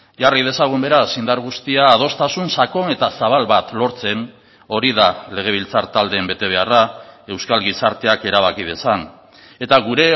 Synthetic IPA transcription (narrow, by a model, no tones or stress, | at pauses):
jarið̞e̞saɣ̞umbe̞ɾasind̪aɾɣ̞ust̪iaːð̞o̞st̪asunsako̞ne̞t̪asaβalβat̪lo̞ɾt͡se̞n | o̞ɾiðale̞ɣ̞e̞β̞ilt͡saɾt̪ald̪e̞ːmbe̞t̪e̞β̞e̞arae̞wskalɣisaɾt̪e̞ake̞ɾaβakið̞e̞san | e̞t̪aɣuɾe̞